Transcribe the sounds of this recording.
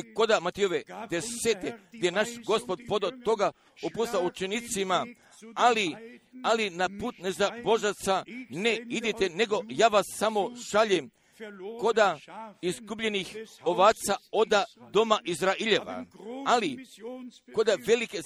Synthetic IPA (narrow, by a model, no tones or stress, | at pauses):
iko̞d̪amat̪ioʋed̪eset̪eɡd̪jejenaʃɡo̞spo̞d̪po̞d̪ot̪o̞ɡa | upusaut͡ʃenit̪sima | alialinapuːt̪nezabo̞ʒat̪sane̞id̪it̪e̞ne̞ɡo̞jaːʋasːamo̞ʃaʎem | ko̞d̪aizɡubʎe̞nixoʋaːt̪sao̞d̪ad̪o̞maʔizɾaiʎeʋa̰ali | ko̞d̪aʋe̞like